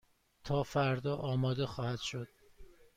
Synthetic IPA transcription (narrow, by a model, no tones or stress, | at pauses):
t̪ʰɒːfæɾd̪ɒːʔɒːmɒːd̪e̞xɒːhæd̪̥ʃod̪̥̚